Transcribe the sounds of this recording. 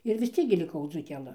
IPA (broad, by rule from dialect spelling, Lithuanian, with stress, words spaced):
ɪr ʋʲɪs ˈt͡sʲiɛk ɡʲɪ lʲɪˈkɐʊ d͡zuːkʲɛˈlˠɨ